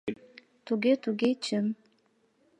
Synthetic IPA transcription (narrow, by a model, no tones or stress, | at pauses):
t̪uɣet̪uɡet͡ɕəm